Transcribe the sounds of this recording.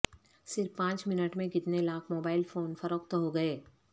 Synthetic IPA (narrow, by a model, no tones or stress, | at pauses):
sɪɾfpãːt͡ʃmɪnəʈmẽkɪt̪nelaːkʰmoːbaːɪlfoːnfɐɾəkt̪ɦoɡɐeː